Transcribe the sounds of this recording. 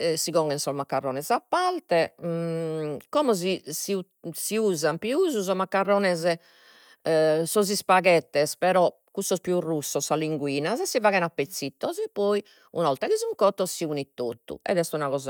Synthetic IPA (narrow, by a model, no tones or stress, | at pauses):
siɣɔŋɡɛnsɔmakːarːɔːnɛzapːalt̪ɛ | kɔmɔz̬isiu | siuːzampiuːzuzɔmakːarːɔːnɛzɛ | sɔzispaɣɛt̪ːɛspɛɾɔ | kːusːɔspjurusːɔsːaliŋɡwiːnazɛsːivaɣɛnapːet̪sːit̪ːɔzɛpɔi | ṵnɔlt̪aɣizuŋkɔt̪ːɔsiunit̪ːo̰t̪ːṵɛ̰d̪ɛst̪unaɣɔːza